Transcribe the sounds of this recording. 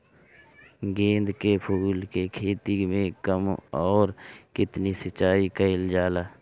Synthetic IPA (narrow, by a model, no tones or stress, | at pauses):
ɡẽːnd̪kepʰuːlkekʰeːt̪imẽkəmɔːɾkɪt̪nisət͡ʃːaːikəɪld͡ʒaːlaː